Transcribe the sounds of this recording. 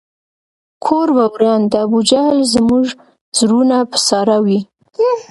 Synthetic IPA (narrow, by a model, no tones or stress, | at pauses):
kʰoɾbawɾɑnd̪əabud͡ʒahlzmuʒ | z̥ɾunapə̥sɑɾawi